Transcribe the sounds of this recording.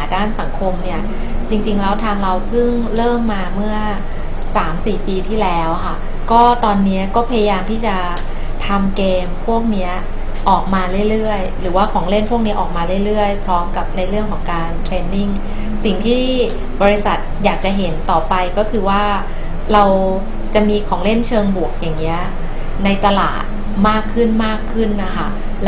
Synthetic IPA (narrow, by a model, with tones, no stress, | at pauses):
a˩˦daː˥˩nsa˩˦ŋkʰo˧mni˥˩ɐ | t͡ɕi˧ŋt͡ɕi˧ŋlɛ˦˥wt̪ʰa˧mɾa˧wpʰɯ˥˩ŋ | ɾɤː˥˩mːaː˧mɯ˥˩ɐ | saː˩˦msiː˨˩piː˧t̪ʰiː˥˩lɛː˦˥wkʰa˥˩ | kɔː˥˩t̪ɔː˧nːi˦˥ɐkɔː˥˩pʰa˧ja˧jaː˧mt̪ʰiː˥˩t͡ɕa˨˩ | t̪ʰa˧mkeː˧mpʰu˥˩ək̚ni˦˥ɐ | ʔɔː˨˩k̚maː˧ɾɯ˥˩jɾɯ˥˩əjɾɯː˩˦waː˥˩kʰɔː˩˦ŋle˥˩npʰu˥˩ək̚ni˦ɐʔɔː˨˩k̚maː˧ɾɯ˥˩jɾɯ˥˩əjpʰɾɔː˦˥mka˨˩p̚na˧jɾɯ˥˩əŋkʰɔː˩˦ŋkaː˧nt̪ʰɾeː˧nːi˥˩ŋ | si˨˩ŋt̪ʰiː˥˩ | bɔː˧ɾi˧˦˥sa˨˩t̪̚jaː˨˩k̚t͡ɕa˨˩ɦe˩˦nt̪ɔː˨˩pa˧jkɔː˥˩kʰɯː˧waː˥˩ | ɾa˧w | t͡ɕa˨˩ʔmiː˧kʰɔː˩˦ŋle˥˩nt͡ɕʰɤː˧ŋbu˨˩ək̚jaː˨˩ŋːi˦˥ɐ | na˧jt̪a˧la̰ː˨˩t̪̚ | maː˥˩kʰːɯ˥˩nmaː˥˩kʰːɯ˥˩nːa˥˩kʰa˥˩ | l